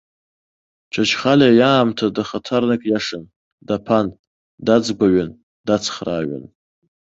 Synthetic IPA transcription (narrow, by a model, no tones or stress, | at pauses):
t͡ʃʷʰat͡ʃʰχalajaːmtʰadaχatʰarnakʼjaʂɨn | dapʰan | dad͡zɡʷaɥan | dat͡sʰχra̰ːɥa̰n